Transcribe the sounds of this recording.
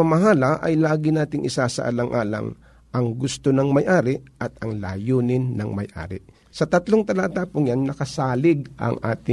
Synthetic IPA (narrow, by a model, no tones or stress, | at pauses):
ɐmɐɦaːlɐʔɐ̰jlaːɡɪnaːt̪ɪŋʔɪsaːsɐ̰ʔɐ̰lɐŋʔaːlɐ̰ŋ | ʔɐŋɡʊst̪onɐŋmɐjʔaːɾɪʔɐt̪ɐŋla̰ːjoːnɪnːɐ̰ŋmɐ̰jʔa̰ːɾɪ̰ | sɐt̪ɐt̪loŋt̪ɐlaːt̪aːpʊŋjanːɐkɐsaːlɪɡ̚ʔɐ̰ŋʔa̰ːt̪ɪ